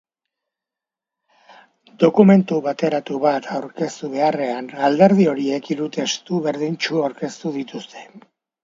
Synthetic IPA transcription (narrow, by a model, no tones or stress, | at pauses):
d̪o̞kume̞nt̪uβat̪e̞ɾat̪uβat̪ʰawɾke̞st̪uβe̞are̞anald̪e̞ɾð̞io̞ɾie̞kiɾut̪e̞st̪uβe̞ɾðint͡ʃuawɾke̞st̪uðit̪ust̪ʰe̞̥